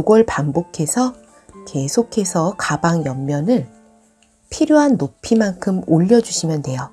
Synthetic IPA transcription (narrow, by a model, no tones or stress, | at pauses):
uɡʌɭpambokʰe̞sʰʌ | ke̞sʰokʰe̞sʰʌkabaŋjʌmːjʌnɯɭ | pʰiɾjoɦanːopʰimankʰɯmoʎːʌd͡ʑuɕʰimjʌnde̞jo